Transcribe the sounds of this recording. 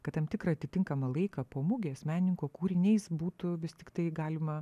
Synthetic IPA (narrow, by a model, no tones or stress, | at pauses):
kɐt̪t̪ɐmt̪ʲɪkɾɐɐt̪ʲɪt̪ʲɪŋkɐmɐlˠɐɪkɐpoːmʊɡʲesmʲæːnʲnʲɪŋkoːkuːɾʲɪnʲɛɪsbuːt̪ʊʋʲɪst̪ʲɪkt̪ɐɪɡɑːlʲɪmɐ